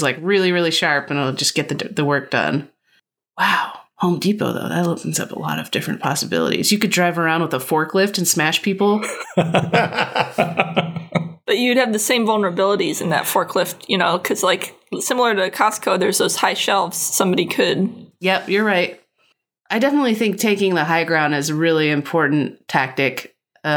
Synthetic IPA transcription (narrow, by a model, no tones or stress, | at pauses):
zlaɪkɹɪlˠiɹɪlˠiʃɑɹpɨ̃naɪlˠd͡ʒʌsɡ̥ɛt̪̚ðɨðɨwɜ˞k̚d̥ʌ̰̃n | waʊhõʊ̃mdipo̰ʊðo̰ʊðɨ̰tˡlɪpn̩zʌ̰pə̰lɔ̰ɾʌ̰v̥dɪfɹɨ̃npʰɑsəbɪ̰lˠə̰ɾḭzjɨkɨdɹaɪvə˞ãʊ̃ndwəðəfɔɹkʰlɪftɨ̃n̩smæʃpʰipl̩ˠ | b̥ʌt͡ʃɨd̚ɨvðɨsẽɪ̃ɱvʌlˠnə˞əbɪlˠəɾizɨ̃nðɨ̰tfɔɹkʰlɪft̚jɨñoʊkʰʌz̥laɪk | sɪ̃ml̩ˠə˞ɾɨkʰɑskʰoʊðə˞zðoʊz̥haɪʃɛlˠvz̥sʌ̃mbɑɾikʰɨd̥̚jɛpjə˞ɹaɪt̚ | ʔaɪdɛfənətˡliθɪ̃ŋk̚tʰeɪkɪ̃ŋðəɦaɪɡɹãʊ̃ndɨzɨɹɪlˠiɨ̃mpʰɔɹʔn̩tʰæk̚tɪk